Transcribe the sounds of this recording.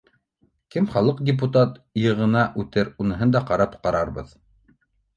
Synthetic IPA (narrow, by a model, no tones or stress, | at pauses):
kɘmχɑlˠɤqdʲɪp̬ut̪at̪jɤ̆ʁɤ̆nɑʔʉt̪ɘɾunɤ̆ɦɤnd̪ɑqɑɾɑpqɑɾɑɾbɤ̰ð